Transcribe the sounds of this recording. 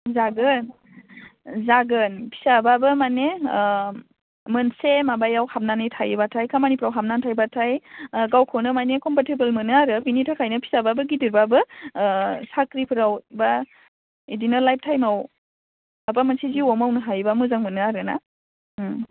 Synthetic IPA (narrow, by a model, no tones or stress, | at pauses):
zaɡɯn | zaɡɯnpʰi̥sababɯmane | mɯnsemabajawhap̚nanɯjtʰajbatʰajkʰamanipʰɯɾawɦap̚nantʰajbatʰajɡawkʰɔwnɯmanekɔmpatebelmɯnɯaɾɯbinitʰakʰajnɯpʰi̥sababɯɡidiɾbabɯ | sakɾipʰɯɾawba | idinɯlajp̚tʰajmaw | abamansʰiziɔmawnɯɦajbamɯzaŋmɯnɯaɾɯna̰